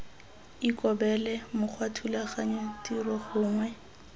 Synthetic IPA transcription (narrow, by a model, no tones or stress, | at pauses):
ikʼɔbɛlɛmʊk͡xʰwatʰulaχaɲatirɔχʊːŋwɛ